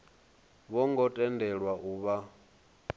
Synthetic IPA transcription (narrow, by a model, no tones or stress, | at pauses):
βɔŋɡɔtʼɛndʱɛɺwaʔuβa